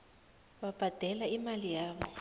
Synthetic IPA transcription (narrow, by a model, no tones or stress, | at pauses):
βab̥ʱad̥ʱɛlaimalijaːβɔ